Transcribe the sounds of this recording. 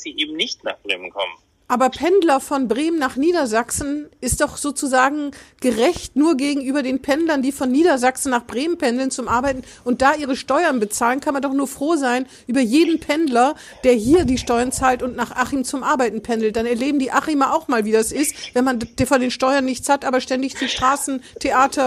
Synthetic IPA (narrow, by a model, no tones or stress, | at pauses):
z̥iːʔeːbm̩nɪçtna̰ːχb̥ʁeːmənkʰɔmən | ʔaːbɐpʰɛndlɐfɔnbʁeːmənaːχniːdɐzaksn̩ʔɪst̚d̥ɔχz̥oːt͡suzaːɡŋ̩ɡ̥əʁɛçtnuːɐɡeːɡŋ̩yːbɐdeːnpʰɛndlɐndiːfɔnːiːdɐzaksn̩naːχb̥ʁeːmənpʰɛndl̩nt͡sʊmʔaɐbaɪtn̩ | ʔʊnt̚d̥aːʔiːʁəʃtɔʏɐnbət͡saːlənkʰanmandɔχnuːɐfʁ̥oːzaɪn | ʔyːbɐjeːdn̩pʰɛndlɐ | d̥eːɐɦiːɐdiːʃtɔʏɐnt͡saːltʊntnaːχʔaχimt͡sʊmʔaɐbaɪtn̩pʰɛndl̩t̚d̥anɛɐleːbm̩diːʔaχimaʔaʊxmaːlviːdasʔɪstvɛnmandfɔndeːnʃtɔʏɐnːɪçt͡shatʔaːbɐʃtɛndɪçt͡suʃtʁ̥aːsn̩tʰeʔaːtʰɐ